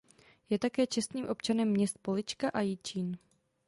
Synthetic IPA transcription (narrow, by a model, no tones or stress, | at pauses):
jɛt̪akɛːt͡ʃɛst̪nɲiːmʔo̞pt͡ʃanɛmːɲɛst̪̚po̞lɪt͡ʃkaʔajɪt͡ʃiːn